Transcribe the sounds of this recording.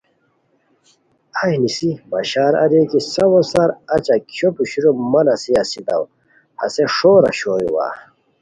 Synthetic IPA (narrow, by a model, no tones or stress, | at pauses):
ajnisibɐɕaːɾɐ̰d̪ekisɐwosɐɾɐt͡ɕakʰjopuɕiɾomɐnɐsiɐsid̪ɐw | hɐ̰seʂoːɾɐ̰ɕoːɾḭwa̰ː